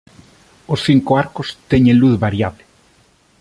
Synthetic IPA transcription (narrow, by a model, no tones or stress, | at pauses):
osθiŋkoaɾkost̪eɲẽnluθβaɾjaβle